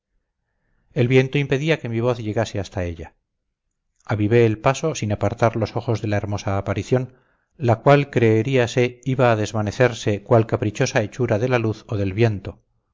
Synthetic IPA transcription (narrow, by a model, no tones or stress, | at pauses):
e̞lβje̞nt̪o̞impe̞ðiake̞miβ̞o̞θʎe̞ɣase̞ast̪ae̞ʎa | aβiβe̞ːlpaso̞sinapaɾt̪aɾlo̞so̞xo̞zðe̞lae̞ɾmo̞saːpaɾiθjo̞n | lakwalkɾe̞ːɾiase̞iβaːð̞e̞zβane̞θe̞ɾse̞kwalkapɾit͡ʃo̞sae̞t͡ʃuɾaðe̞laluθo̞ðe̞lβje̞nt̪o̞